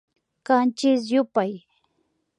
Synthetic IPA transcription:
kant͡ʃɪs̬jʊpaj

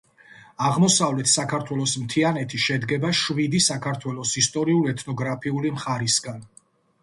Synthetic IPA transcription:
aʁmɔsavlɛt̪ʰsakʰaɾt̪ʰwɛlˠɔsmt̪ʰianɛt̪ʰiʃɛd̪ɡɛbaʃvid̪isakʰaɾt̪ʰwɛlˠɔsist̪ʼɔɾiulɛt̪ʰnɔɡɾapʰiulimχaɾisɡan

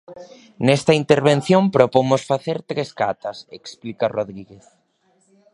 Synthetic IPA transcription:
nɛst̪ɐint̪eɾβẽn̟θjompɾopomʊsfaθeɾt̪ɾeskat̪ɐsḛksplikaroðɾiɣeθ

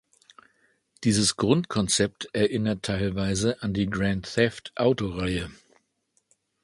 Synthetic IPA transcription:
d̥iːzəsɡ̥ʁʊntkʰɔnt͡sɛp̚tʔɛɐʔɪnɐtʰːaɪlvaɪzəʔandiːɡʁɛntθɛftʔaʊtoʁaɪə

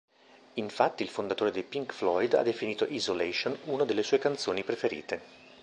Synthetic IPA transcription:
iɱfat̪ːiːlfond̪at̪oːɾed̪elpiŋkflɔjd̪a̰d̪ːefiniːt̪oʔizolɛʃonuːnad̪elːesuːekant̪soːnipɾefeɾḭːt̪e

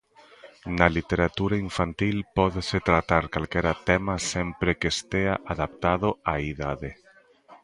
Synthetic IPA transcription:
nalit̪eɾat̪uɾaiɱfant̪ilpɔðeset̪ɾat̪aɾkalkɛɾat̪ɛmasɛmpɾekest̪eaʔaðap̚t̪aðoaiðaðe

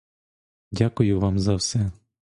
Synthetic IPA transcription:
dʲakʊjʊʋɑmzɐwsɛ

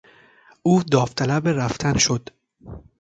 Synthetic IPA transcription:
ʔuːd̪ɒːft̪ʰælæbeɾæft̪ʰænʃod̪̥

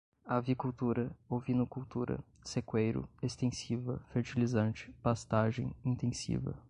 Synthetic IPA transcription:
avikuwt̪uɾɐovinʊkuwt̪uɾɐ̰ | sekwejɾʊ̰est̪ẽsivɐ̰feɾt͡ʃilizɐ̃nt͡ʃɪ̥past̪aʒẽj̃ĩt̪ẽsḭvɐ̰

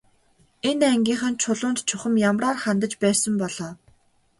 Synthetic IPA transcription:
enæŋɡʲiːŋχə̆nt͡ɕʰʊɮʊːnt̪t͡ɕʰʊχɘ̆mjamraːrχant̪ə̆t͡ɕpæːsə̆mpɔɮ̥ɔː

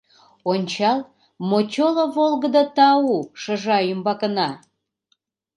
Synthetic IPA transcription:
onʲt͡ɕɑl | mot͡ɕoloβolɣəd̪ət̪ɑuʃəʒɑjymbɑkənɑ

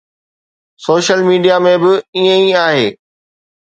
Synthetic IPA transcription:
soːʃəlmiːɖijamẽbɪiə̃iaːɦeː

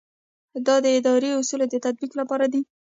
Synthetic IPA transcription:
d̪ɑd̪əɪd̪ɑɾeʊsuled̪ət̪ad̪̚biklapɑɾad̪i

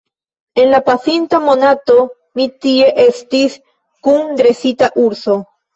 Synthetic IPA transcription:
e̞nlapasintamo̞nato̞ | mitie̞ʔe̞stis | kundɾe̞sitaʔuɾso̞

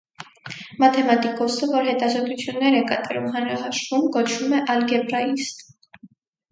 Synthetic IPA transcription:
mɑt̪ʰɛmɑt̪ikɔsəvɔɾɦɛt̪ɑzɔt̪ut͡sʰjunːɛɾɛkɑt̪ɑɾumhɑnɾɑɦɑʃvumkɔt͡ʃʰumɛʔɑlɡɛpɾɑist̪

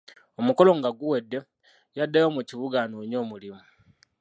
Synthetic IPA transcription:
omuko̞lo̞ŋɡaɡuwedːe | jadːajomuciβuɡanoːɲo̞ːmulimu

